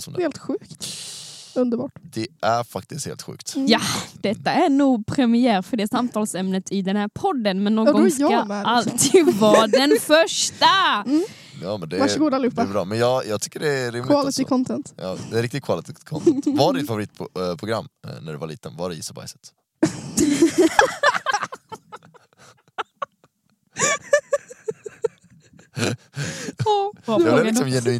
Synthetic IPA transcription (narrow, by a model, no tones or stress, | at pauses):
sɔmd̪heːlt̪ɧʉ̟ːkt̪ | ɵnd̪əɾbɑːʈd̪̥ɛæɾfakt̪ɪst̪hḛːlt̪ɧʉ̰ːkt̪jad̪̥ɛt̪ːaæɳuːɡpʰɾɛmɪjæːɾfœɖɛːsamt̪ʰɑːlsɛmnət̪ʰɪd̪ɛnhæːɾpʰɔd̪ːənmɛnːoːɡɡɔaalt̪ʰiːd̪vɑːd̪ɛnfœʂʈa | jɑːmɛnd̪ɛvaʂɡuːd̪alɪuːd̪pːaɛbɾɑ̰ːmɛnjɑːɡjɑɡt̪ʰʏ̥kːəɖɛɾɪmlɪt̪ɪkʰɔnt̪ʰɛnt̪jɑ̰ːd̪ɛɾɪkt̪ɪɡ̪̚kʰvalɪt̪ɪkʰɔnt̪ʰvaɖdɪfavʊɾiːt̪̚ʰpʰɾʊɡɾamːnæɖɛvaɭḭːt̪ənvaɖɛjɪsaba̰jsɛ̥t̪ | ɔɾɪsɔmjɛnʉiː